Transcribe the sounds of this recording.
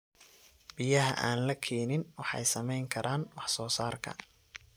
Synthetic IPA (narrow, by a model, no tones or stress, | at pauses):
b̥ɪjɐɦɐ̰ʔaːnlɐkʰɛːnɪnwɑħɑ̰jsɐmɛjŋkʰɐɾʔaːnwɑħsɔːsaːrkʰɐ̰